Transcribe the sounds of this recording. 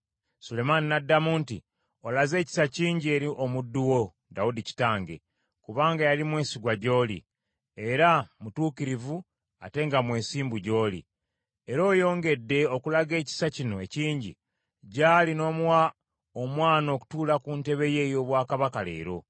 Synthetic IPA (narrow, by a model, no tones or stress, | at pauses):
sule̞maninadːamunti | o̞laze̞ːci̥saciːɲɟie̞ɾiʔo̞mudːuwo̞ | daudici̥taːŋɡe̞̰ | kuβaːŋɡajalimwe̞ːsiɡwaɟo̞ːlḭ | eɾamutuːkiɾivu | a̰te̞ŋɡamwe̞ːsiːmbuɟo̞ːlḭ | eɾo̞ːjo̞ːŋɡe̞dːe̞o̞kulaɡe̞ːci̥sacino̞e̞ciːɲɟi | ɟaːlino̞ːmwa | omwaːno̞ːku̥tuːlakuːnte̞βe̞je̞jo̞ːβwaːkaβakale̞̰ːɾo̞